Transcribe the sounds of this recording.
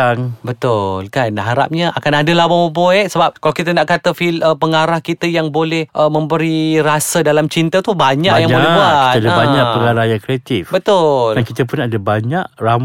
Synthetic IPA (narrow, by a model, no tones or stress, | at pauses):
aŋbət̪ʊlkanɦaɾa̰p̚ɲəʔakanadəlabamopoɛʔsəbap̚kalakit̪ənaʔkat̪əfiləpəŋaɾahkit̪əjaŋbolɛhʔəmə̃mbəɾiɾasədalamt͡ʃint̪ət̪ubaɲakjaŋbolɛɦbuait̪əadabaɲakpəŋaɾahjaŋkɾeat̪ifbət̪ʊlankit̪əpʊnadabaɲaʔram